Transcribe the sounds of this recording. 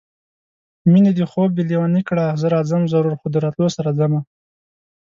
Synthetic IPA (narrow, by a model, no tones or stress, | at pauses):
mined̪ixob̚belewɑnikɽazəɾɑzamzaɾuɾxod̪əɾɑt̪losaɾad͡zama